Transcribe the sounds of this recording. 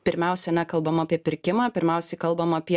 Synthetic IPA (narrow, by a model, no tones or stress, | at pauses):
pʲɪɾʲmʲæˑʊsʲɛnʲɛkɐlˠbɐmɐpʲiɛpʲɪɾʲkʲɪmɑːpʲɪɾʲmʲæˑʊsʲɛɪkɐlˠbɐmɐːpʲiɛ